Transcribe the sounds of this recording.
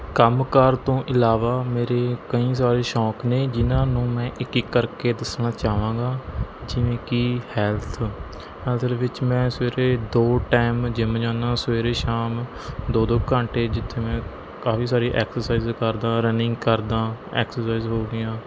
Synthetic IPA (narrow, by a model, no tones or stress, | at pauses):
kəmkəɾt̪õːʔɪlaːʋaːmeːɾeːkəĩːs̬aːɾeːʃɔːkneːd͡ʒɪnãːnũːmɛ̃ːʔɪkɪkːəɾkeːd̪əsnãːt͡ʃaːʋãːɡaːd͡ʒɪʋẽːkihɛːlt̪ʰ | ɦɛːlt̪ʰdʋɪt͡ʃmɛ̃ːsʋeːɾeːd̪oːʈaːɪmd͡ʒɪmd͡ʒãːnãːsʋeːɾeːʃaːm | d̪oːd̪oːkəɳʈeːd͡ʒɪt̪ʰːeːmɛ̃ː | kaːfiːsaːɾiːʔɛːksəɾsaːiːzkəɾd̪ãːɾənɪ̃ŋɡkəɾd̪ãːɛ̰ːksəsaːizɦoːɡɪjãː